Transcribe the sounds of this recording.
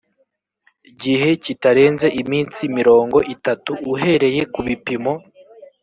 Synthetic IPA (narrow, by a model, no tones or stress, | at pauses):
ɟihe̞citaɾe̞ːnze̞ʔimiːnt͡simiɾo̞ːŋɡo̞ʔitatuːɦe̞ɾe̞je̞kuβipimo̞